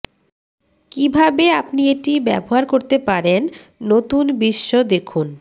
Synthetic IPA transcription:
kibʱabeapnieʈibɛ̰boɦaɾkoɾt̪epaɾenː | ot̪unbiʃːod̪ekʰun

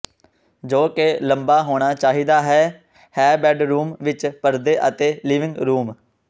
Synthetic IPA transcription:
d͡ʒoːkeləmbaːɦoːɽ̃aːt͡ʃaːɦiːd̪aːɦɛː | hɛːbɛːɖɾuːmʋɪt͡ʃpəɾd̪eːʔət̪eːliːʋɪ̃ŋɡɾuːm

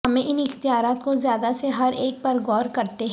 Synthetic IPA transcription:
ɦɐmẽʔɪnɪxt̪ijaːɾaːt̪kozjaːd̪aseɦɐɾeːk̚pɐɾɡɔːɾkɐɾt̪eɦ

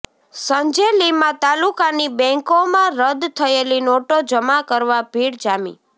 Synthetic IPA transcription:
səɲd͡ʒelimãt̪alukanibɛ̃ŋkomãɾəd̪t̪ʰəelinoʈod͡ʒəmakəɾʋabʱiɽd͡ʒamḭ

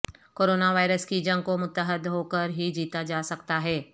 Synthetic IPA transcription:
koːɾoːnaʋaːɪɾəskid͡ʒɐ̃ŋɡkomʊt̪ːəɦəd̪ɦoːkəɾɦid͡ʒiːt̪ad͡ʒaːsɐkt̪aɦɛː

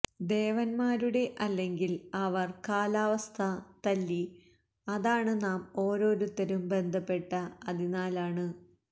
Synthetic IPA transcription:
d̪eːʋɐnmaːɾuɽe̞ʔɐlːe̞ŋɡilɐʋɐrkaːlaːʋɐst̪ʰɐt̪ɐlːi | ɐðaːɳɨnaːmo̞ːɾo̞ːɾut̪ːɐɾumbe̞nd̪ʱɐpːe̞ʈːɐɐðinaːlaːɳɨ

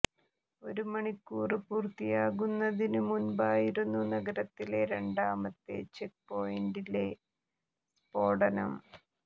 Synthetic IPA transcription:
o̞ɾumɐɳikːuːripuːrt̪ijaːɣunːɐðinɨmunbaːjiɾunːunɐɡɐɾɐt̪ːile̞ɾeɳɖaːmɐt̪ːḛt͡ɕek̚po̞jiɳɖile̞ | spo̞ːɽɐnɐm

